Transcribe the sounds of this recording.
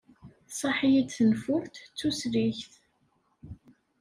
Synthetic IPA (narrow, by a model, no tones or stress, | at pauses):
sˤɑħijid̪θənfʊɾt̪t͡sːusɾiçθ